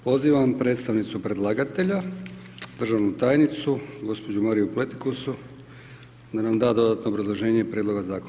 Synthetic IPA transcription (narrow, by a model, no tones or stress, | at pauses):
po̞ziːʋampɾe̞ːt̪st̪aʋnit̪supɾe̞d̪lˠaɡat̪e̞ʎa | d̪r̩ʒaʋnut̪aːjnit̪suɡo̞spo̞d͡ʑumaɾijuplˠet̪i̥kosu | d̪anamd̪aːd̪o̞d̪at̪no̞ːbɾazlˠo̞ʒe̞ːɲepɾʲeːd̪lo̞ɡazaːko